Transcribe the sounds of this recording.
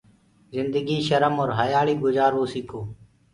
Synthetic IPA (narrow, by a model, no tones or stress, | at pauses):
zɪnd̪əɡiːʃəɾəmoːɾɦəjaːɭiːɡʊzaːɾʋoːsikʰoː